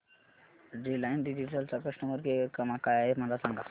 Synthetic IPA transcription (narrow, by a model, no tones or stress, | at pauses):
ɖilajnɖid͡ʑiʈəlt͡sakɾəɕnəməɾɡekəmakajaem̤əd͡zasãŋɡa